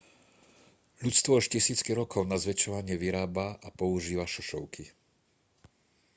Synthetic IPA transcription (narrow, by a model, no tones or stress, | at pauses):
ʎut͡st̪ʋɔaʃcisiːt͡skiɾɔkʰɔʊnazʋɛt͡ʃɔʋaɲɪɛʋiɾaːbaʔapɔuʒiːʋaʃɔʃɔʊkʰi